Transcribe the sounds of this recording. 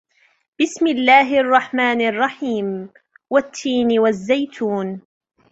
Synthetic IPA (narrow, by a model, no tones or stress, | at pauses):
b̥ɪsmɪlːaːɦɪʔɑrˤːɑħmaːnɑrˤːɑħiːm | wat̪ʰːiːnwazːajt̪ʰuːn